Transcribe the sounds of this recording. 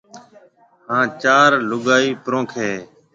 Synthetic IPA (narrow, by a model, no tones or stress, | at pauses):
hãːt͡ʃaːɾlʊɡaːiːpɾõːkʰeː